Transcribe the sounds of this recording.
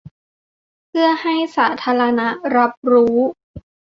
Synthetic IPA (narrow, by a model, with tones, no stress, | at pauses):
pʰɯ˥˩ɐha˥˩jsaː˩˦t̪ʰaː˧˥ɾa˧na˦˥ʔɾa˦˥p̚ɾuː˦˥